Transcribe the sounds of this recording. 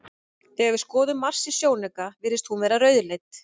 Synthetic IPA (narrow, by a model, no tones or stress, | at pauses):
θɛɛɣɪ̥skɔːðʏmːar̥sɪ̥sjoːwnɛkavɪɾɪst̪hunvɛːɾaɾœːɥðlejt̪